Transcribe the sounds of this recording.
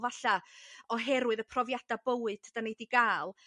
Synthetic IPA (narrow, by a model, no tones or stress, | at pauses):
vaɬaɔɦɛɾwɨðəpʰrɔvjad̥abəwɨ̥tʰəd̥anejdiɡaːlˠ